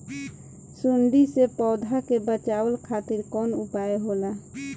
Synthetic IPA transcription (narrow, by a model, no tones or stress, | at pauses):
suɳɖisepɔːd̪ʱakebət͡ʃaəlkʰat̪iɾkɔnupajɦola